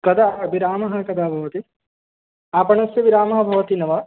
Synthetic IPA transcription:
kɐd̪aːʋiɾaːmɐɦɐ̆kɐd̪ʱaːbʱɐʋɐt̪i | aːpɐɳɐsjɐʋiɾaːmɐɦɐ̆bʱɐʋɐt̪inɐʋɐ

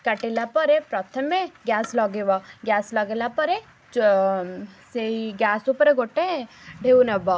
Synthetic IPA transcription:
kɐʈelapəɾepɾɔt̪ʰəmeɡjaːslɔɡeʋaɡjaːslɐɡelapəɾe | seiɡjaːsupɾeɡoʈeɖʱeunɐba

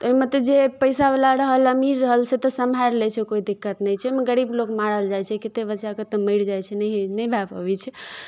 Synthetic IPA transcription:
t̪oimet̪ɔd͡ʒepəjsabelaɾəɦələmiɾəɦəlsʰet̪ɔsəmɦaɾlɛt͡ʃʰɛkoid̪ikːət̪nəjt͡ʃʰɛmeɡəɽiblokmaɽəld͡ʒajt͡ʃʰɛkit̪ebəːʃaket̪ɔmiɽd͡ʒajt͡ʃʰɛnəɦnəjbʱapə̰bit͡ʃʰɛ

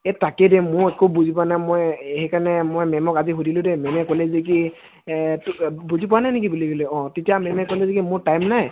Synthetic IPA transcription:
ɛtakɛdɛmʊekubuzip̬ɔanajmɔjhekanɛmojmɛmɔkaziɦudilʊ̃dɛmɛmɛkolɛzek̬i | buzipɔwanajnek̬ibuliɡɔlɛɔ̃tetiamɛmɛkolɛzek̬imʊɹtajmnaj

